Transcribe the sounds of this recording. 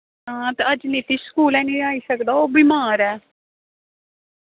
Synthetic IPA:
ɦãːt̪eəd͡ʒniːt̪iːskuːlɛːnĩːaːiːsəkd̪aːoːbiːmaːɾɛː

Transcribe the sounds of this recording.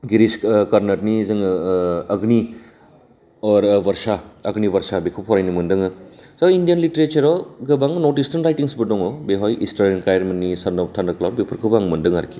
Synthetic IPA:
ɡiɾiskaɾnɐtnizɯŋɐɡni | ɔɾbɐɾsaɐɡniβɐɾsabekʰupʰɔɾajnimɯndɯŋɯzaindijɐnliteɾet͡ʃɐɾɔɡɐbaŋnɔɾtistanɾajtiŋsbɯdɔŋɔbeɦɔjʔḭstaɾenkajɾmenːisandɔptʰandaklawbepʰɐɾkʰɯbaŋmɐndɯŋa̰ɾkʰi̥

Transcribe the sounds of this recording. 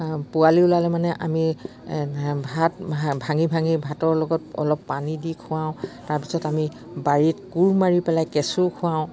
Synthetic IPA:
pʊaliʊlalɛmanɛʔami | bʱatbʱaŋibʱaŋibʱatɔɹlɔɡɔtɔ̰lɔpːanidikʰʊ̃ãw̃taɹpi̥sɔtami | baɹitkuɹmaɹipɛlajkɛsʊkʰʊ̃aʊ̃

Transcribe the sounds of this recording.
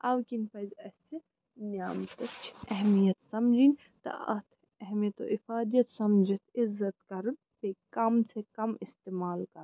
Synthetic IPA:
ɐwkinpɐzɐse | njaːmt̪ɐt͡ʃʰɛɦmijɐt̪sɐmd͡ʒinʲ | t̪ɐ̰ɐ̰t̪ʰ | ɛɦmijɐt̪o̰ːʔɪfaːd̪ijɐt̪sɐmd͡ʒit̪ɪzːɐt̪kɐɾɨn | pekɐmsekɐmɪst̪eːmaːlkɐɾ

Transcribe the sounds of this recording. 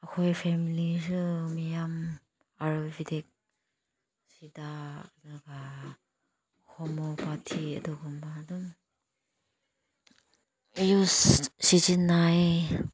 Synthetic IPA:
akʰojpʰemilis̬umijam | aɾubidek̚ | sidadɔɡa | kʰɔmɔpatʰiɐ̰dɔɡɔmbadɔm | jussid͡ʒinːaj

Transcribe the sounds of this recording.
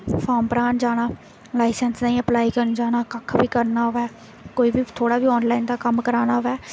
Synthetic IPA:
fʰaːmpəɾaːnd͡ʒaːɽ̃aː | laːɪsɛnsnaːĩːəplaːiːkəɾnd͡ʒaːnaːkəkʰːbiːkəɾnaːʋɛː | koːiːbiːt̪ʰoːɽaːbiːɔːnlaːind̪aːkəmkəɾaːnaːʋɛː

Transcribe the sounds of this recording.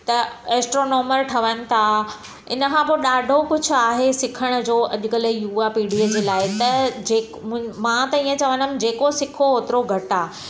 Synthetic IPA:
t̪ɐeːsʈɾoːnoːməɾʈʰɐʋənɪ̆t̪ʰa | ɪnə̆kʰãboɗaːɖʱokʊd͡ʑʱʊaːɦesɪkʰəɽ̃ʊ̆d͡ʑoːʔɐʄʊkələjuːapiːɖiəd͡ʑeːlaːɪt̪ɐd͡ʑeːkmãt̪ɐĩːə̃t͡ɕɐʋə̃nəmd͡ʑeːkosɪkʰoɦoːt̪ɪɾoɡʱɐʈaː

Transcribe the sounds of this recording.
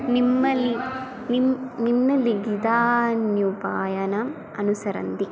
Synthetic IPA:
nimːɐlːi | nimninːɐlːiɡid̪aːnjupaːjɐnɐm | ɐnusɐɾɐ̰nd̪i

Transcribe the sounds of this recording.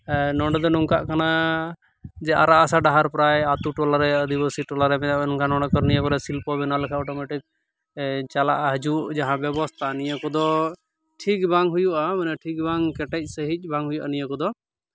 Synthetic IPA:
nɔɳɖɛd̪ɔnuŋka̰ʔkana | d͡ʒɛʔa̰ɾaʔasaɖaɦaɾpɾajat̪uʈɔlaɾɛəd̪ibəsiʈɔlaɾɛmɛd̪aʔbɛnɔŋkanɔ̃ɳɖɔkɔɾnijəkɔɾɛsilpɔbɛnalɛkʰaɔʈɔmɛʈik̚ | t͡ʃala̰ʔaɦd͡ʒuʔd͡ʒaɦãbɛbɔst̪ʰanijəkɔd̪ɔ | ʈʰik̚baŋɦujuʔamɛnɛʈʰik̚baŋkɛʈɛc̚ˀsəɦic̚ˀbʱãŋɦujuʔa̰nijəkɔd̪ɔ

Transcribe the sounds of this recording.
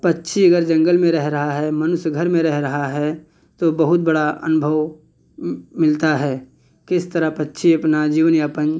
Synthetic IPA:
pɐtːʃʰiɐɡəɾd͡ʒɐ̃ŋɡəlmẽɾɛɦɾɐɦaɦɛmɐnʊsjɡʱəɾmẽɾɛɦɾɐɦaɦɛ | t̪obɐɦʊt̪̚bɐɽaɐ̰nʊbʱəʋ | mɪlt̪aɦɛː | kɪst̪əɾəɦpɐtːʃʰiɐpnad͡ʒiːʋənjapə̃n

